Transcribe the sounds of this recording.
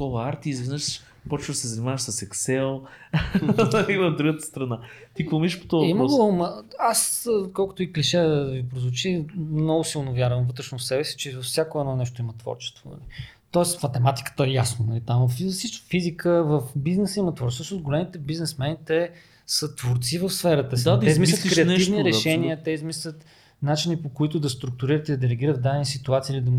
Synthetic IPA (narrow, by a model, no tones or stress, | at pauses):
kɔvɐaɾt̪iːzvɛnəʃ | pɔt͡ʃvd̪ɐsɛzɐnimavəʃsɐsɛksɛlˠ | imɐd̪ɾuɡət̪ə̥st̪ɾɐnat̪ikomiʃpo̥t̪ɔimɡomaskɔlˠkʊt̪oikliʃɛd̪ɐvipɾozvot͡ʃimnɔɡʊsilˠnovʲjaɾvəmvɤt̪ɾɛʃnofsɛbɛsi̥t͡ʃɛvɐfsʲjakoɛdnɔnɛʃt̪oimɐt̪vɔ̰ɾt͡ʃɛ̥st̪vonɐ̰li | t̪ɔɛst̪mɐt̪ɛmat̪i̥kə̥t̪oɛjasnonɐlit̪ãmvəfsit͡ʃfizikʰəvəfbiznɛsəimət̪vɔɾt͡ʃsəsʃnosɡolɛmit̪ɛbiznɛsmɛnit̪ɛ | sət̪voɾt̪sivəfsfɛɾət̪əsiɛizmislʲət̪kɾɛɐt̪ivniɾɛʃɛniət̪ɛizmislʲət̪ | nat͡ʃinipokoit̪ʊd̪ɐst̪ɾuk̚t̪ʊɾiɾət̪id̪ɐd̪ɛlɛɡ̟iɾət̪̚d̪aɛnisit̪uat̪siilid̪ɐ